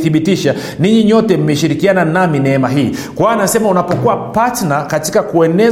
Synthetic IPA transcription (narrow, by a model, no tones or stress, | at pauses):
θiɓitiʃa | niɲiɲɔtɛm̩mɛʃiɾikiananaminɛɛmaɦiːkwanasɛmaunapɔkuwapatnakati̥kakuɛnɛ